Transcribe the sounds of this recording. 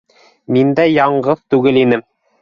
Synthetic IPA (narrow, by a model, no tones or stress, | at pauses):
mind̪æjɑɴɢɤðt̪ʉɡɘlinɘm